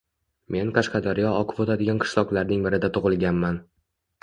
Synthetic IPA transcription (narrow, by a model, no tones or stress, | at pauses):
me̞nqʰɑʃqɑd̪aɾɪjɒɒqʰɨvot̪ʰad̪ɪɡʲanqʰɨ̥ʃlˠɒqlˠaɾnɪŋbɪɾɪd̪at̪ʰʊʁɨlˠɡʲanman